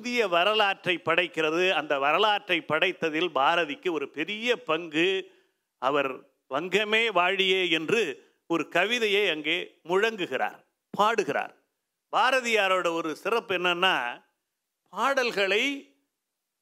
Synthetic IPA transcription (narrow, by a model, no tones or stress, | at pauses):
pʊðɪjɐʋɐɾɐlaːʈrɐɪpːɐɽɐɪkːɪrɐðɯɐnd̪ɐʋɐɾɐlaːʈrɐɪpːɐɽɐɪt̪ːɐðɪlbaːɾɐðɪkːɯɔɾɯpɛɾɪjɐpɐŋɡɯ | ɐʋɐɾ | ʋɐŋɡɐmeːʋaːɻɪjeːɛndrɯ | ɔɾɯkɐʋɪðɐjeɪɐŋɡeːmʊɻɐŋɡɯɣɪra̰ːɾ | pʰaːɽɯɣɪɾa̰ːɾ | baːɾɐðɪjaːɾoːɽɐɔɾɯsɪrɐpːɛnːɐnːa̰ː | paːɽɐlɣɐɭɐɪ